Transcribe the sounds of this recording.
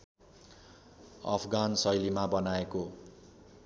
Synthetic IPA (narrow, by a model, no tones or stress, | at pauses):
ʌ̰pʰɡansʌjlimabʌnaeko